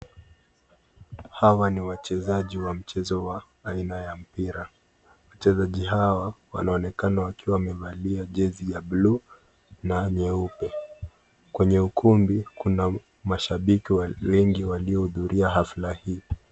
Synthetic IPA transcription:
hawaniwat͡ʃɛzaʄiwam̩t͡ʃɛzɔwaː | inajam̩piɾa | wat͡ʃɛzaʄiɦawawa̰naɔnɛkanawakiwamɛvaliaʄɛzijaɓlu | naɲɛupɛ | kwɛɲɛukʰumbikuna | maʃaɓikiwawɛŋɡiwaliɔhuðuɾʔiaɦaflahiː

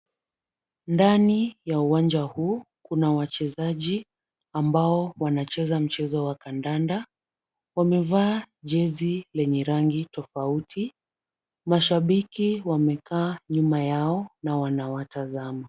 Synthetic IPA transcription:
ndanijauwand͡ʒahuː | kunawat͡ʃɛzaʄi | ambaɔwanat͡ʃɛzam̩t͡ʃɛzɔwakandanda | wamɛvaːʄɛzilɛɲɛɾaŋɡitɔfauti | maʃaɓikiwamɛkaːɲumajaɔnawanawatazama

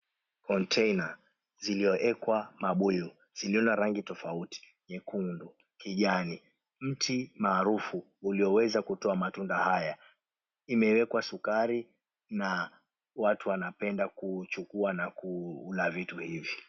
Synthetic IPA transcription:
kɔntʰɛjna | ziliɔʔɛkwamaɓuu | z̥iliɔnaɾaŋɡitɔfauti̥ | ɲɛkundu | kiʄani | m̩tʰimaːɾufu | uliɔwɛzakutɔamatundahaja | imɛwɛkwasukaɾi | na | watuwanapɛndakut͡ʃukuanakuulavituhivi

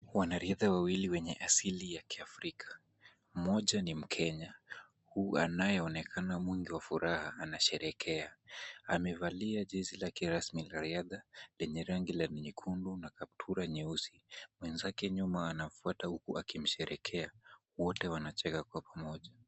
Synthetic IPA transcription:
wanaɾiaðawawiliwɛɲɛʔasilijakiafɾikʰḁ | mɔʄanim̩kʰɛɲa | hua̰najɛɔnɛkʰanamwiŋɡiwafuɾʔahaːnaʃɛɾɛkʰɛaamɛvaliaʄizilakɛɾasmilaɾiaðalɛɲɛɾaŋɡilaniɲikʰundunakap̚tʰuɾaɲɛusimwɛnzakɛɲumaːnafuatahukuʔakim̩ʃɛɾʔɛkʰɛa | wɔtɛwanat͡ʃɛkakwapamɔʄa

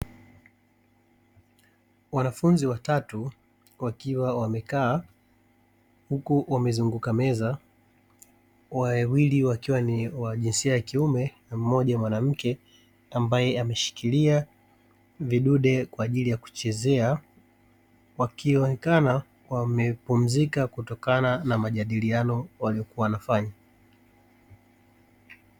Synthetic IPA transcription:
wanafunziwatatu | wakiwawamɛkaː | hukuwamɛzuŋɡukamɛza | wawiliwakiwaniwaʄinsiajakiumɛnam̩mɔʄamwanam̩kɛ | ambajɛamɛʃi̥kilia | viɗuɗɛkwaːʄilijaku̥t͡ʃɛzɛa | wakiɔnɛkana | wamɛpum̩zikakutɔkananamaʄaɗilianɔwaliɔkuawanafaɲa

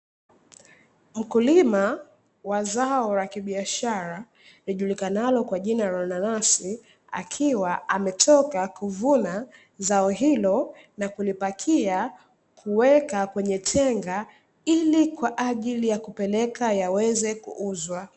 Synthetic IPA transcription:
m̩kulima | wazaɔɾakiɓiaʃaɾa | liʄulikanalɔkwaʄinaɾɔnanasi | a̰kʰiwaamɛtʰɔkakuvuna | zaɔɦilɔ | nakulipakʰia | kʰuwɛkakwɛɲɛtʰɛŋɡa | ilikwaʔaʄilijakupɛlɛkajawɛzɛkṵʔuzwa

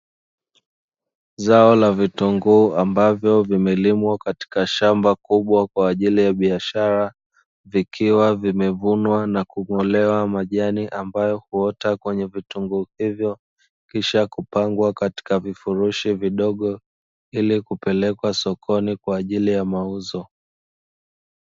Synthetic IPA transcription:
zaɔlavituŋɡuambavjɔvimɛlimwakati̥kaʃambakuɓwakwaːʄilijaɓiaʃaɾa | vikʰiwavimɛvunwanakumɔlɛwamaʄaniʔambajɔhuɔtakwɛɲɛvituŋɡuhivjɔ | kiʃakupaŋɡwakati̥kavifuɾuʃiviɗɔɠɔ | ilikupɛlɛkwasɔkʰɔnikwaːʄilijamauzɔ

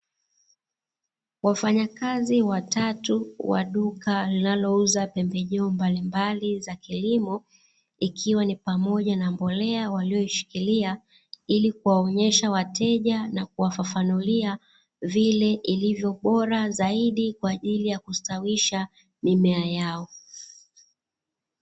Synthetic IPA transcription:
wafaɲakaziwatatuwa̰ɗukalinalɔuzapɛmbɛʄɛɔmbalimbalizakilimɔ | ikʰiwanipamɔʄanambɔlɛawaliɔiʃi̥kilia | ilikuwaɔɲɛʃawatʰɛʄanak̚uwafafanulia | vilɛʔilivjɔɓɔɾazaiɗikwaːʄilijakustawiʃa | mimɛajaɔ

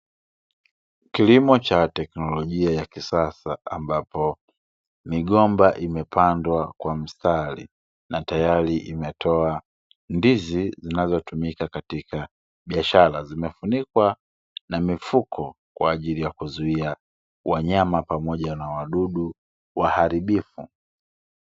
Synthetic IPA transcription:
kilimɔt͡ʃatɛknɔlɔʄiajakisasaːmbapɔ | miɠɔmbaʔimɛpʰandwakwam̩stʰalḭ | natajaɾiʔimɛtʰɔa | ndizizinazɔtumikakatika | ɓiaʃaɾazimɛfunikwa | namifukʰɔ | kwaːʄilijakuzuia | wʔaɲamapamɔʄanawaɗuɗu | wahaɾiɓifu

